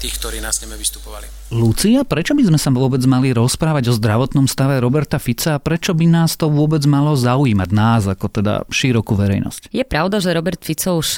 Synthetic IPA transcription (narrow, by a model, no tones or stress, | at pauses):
t̪iːxk̚t̪ɔɾiːnasɲɛmɛʋist̪u̥pɔʋa̰lḭ | lut͡siapɾɛt͡ʃɔbizmɛsaʊɔbɛd͡zmaliɾɔspɾaːʋaɟɔzd̪ɾaʋɔt̪nɔmst̪aʋɛɾɔbɛɾt̪afit͡saːpɾɛt͡ʃɔbinaːst̪ɔʋʊɔbɛd͡zmalɔzaujiːmaɟnaːzakɔt̪ɛd̪a̰ʃiɾɔkuːʋɛɾɛ̰jnɔ̰scjɛpɾaʊd̪aʒɛɾɔbɛɾt̪fit͡sɔʊʃ